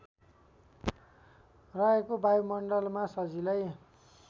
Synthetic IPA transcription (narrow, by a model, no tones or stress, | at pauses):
raekobajmʌɳɖʌlmasʌd͡zilʌj